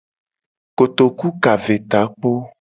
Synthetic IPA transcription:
ko˨t̪o˨ku˦ka˨ve˨t̪a˨˦k͡po˦

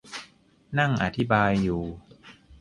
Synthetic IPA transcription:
na˥˩ŋʔa̰˨˩t̪ʰi˦˥baː˧jːuː˨˩

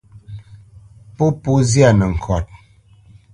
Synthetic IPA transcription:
po˦po˦zja˨nə˨ŋ̩˨kʰɔ˨t̚

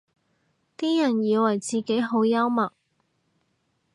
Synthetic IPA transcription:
t̪iː˥jɐ˨˩njiː˨˧wɐ˨˩jt͡siː˨˧ke˨˥jɦo˨˥wjɐ˥wmɐ˨k̚

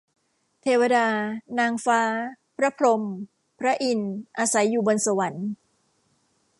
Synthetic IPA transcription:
t̪ʰeː˧wa˧daː˧naː˧ŋfaː˦˥ | pʰɾa˦˥pʰɾo˧m | pʰɾa˦˥ʔi˨˧nʔaː˧sa˩˦jːuː˨˩bo˧nsa˧wa˩˦n

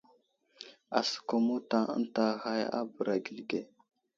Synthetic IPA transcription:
a̰˨sə̥˨ko˨mo˦ta˨ə̰˦n˦ta˨ɣa˦ja̰˦bə˨ɾa˨ɡi˨lɡe˦

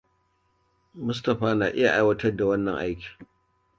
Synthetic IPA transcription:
mʊ˦s̬tɐ˨ɸaː˦naː˨ʔɪ˦ja˨ʔa˦jwɐ˦tɐ˦rda˨wɐ˦nːɐ˨ŋʔa˦jkʲi̥ː˨

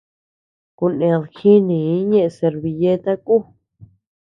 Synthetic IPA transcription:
ku˧nẽ˧lxi˦nĩ˨˦ɲẽ˦ʔe˧se˧ɾβi˧je˦t̪a˦ku˦˨

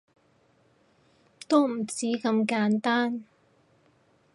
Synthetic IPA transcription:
t̪o˥m̩˨˩t͡siː˨˥kɐ˧mkaː˨˥nt̪aː˥n

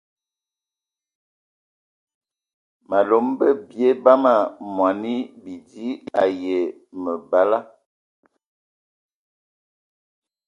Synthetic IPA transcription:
ma˨lo˨˦mbə˦bje˦ba˦ma˨mwa˨ni˦bi˨di˦a˨je˨ | mə˨ba˦la˦

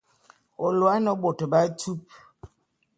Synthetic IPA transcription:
o˨lwa˨˦i˦nɔ˦bo˨tə˨ba˦e˦tʰu˦p̚

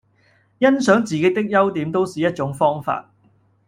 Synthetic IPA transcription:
jɐ˥nsœː˨˥ŋt͡siː˨ke˨˥t̪ɪ˥k̚jɐ˥wt̪iː˨˥mt̪o˥wsiː˨jɐ˥t̚t͡ʃʊ˨˥ŋfɔː˥ŋfa̰ː˧t̚

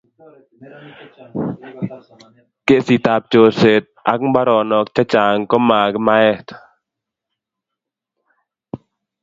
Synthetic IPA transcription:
ke˨si˨t̪a˧˨p̚t͡ʃo˧se˨t̪̚ʔa˦k̚ŋba˦ɾɔ˨nɔ˧˦k̚t͡ʃa˦t͡ʃaː˨ŋkɔ˦maː˧˨kma˧˦e˦t̪

